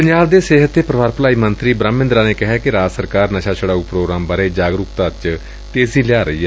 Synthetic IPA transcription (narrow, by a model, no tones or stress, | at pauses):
pəɲd͡ʒaːbd̪eːseːɦət̪ːeːpɾəʋaːɾpəlaːiːmənt̪ɾiːbɾaːmːɪ̃nd̪ɾaːneːkɪɦɛːkɪɾaːd͡ʒsəɾkaːɾnəʃaːt͡ʃəɽaːuːpɾoːɡɾaːmbaːɾeːd͡ʒaːɡɾʊkt̪aːt͡ʃ | t̪eːziːlɪaːɾəiːɛ